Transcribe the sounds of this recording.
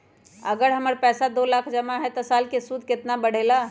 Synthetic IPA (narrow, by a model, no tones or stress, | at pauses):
əɡəɾɦəməɾpɛsad̪olakʰd͡ʒəmaɦɛt̪ɔsalkesud̪ʱket̪nabəɽ̤ela